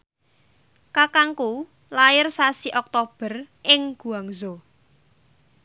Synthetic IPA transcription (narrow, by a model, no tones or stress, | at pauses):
kakaŋku | laɪrsasiʔɔk̚t̪ob̥ər | ʔɪŋɡ̥ṳaŋzɔ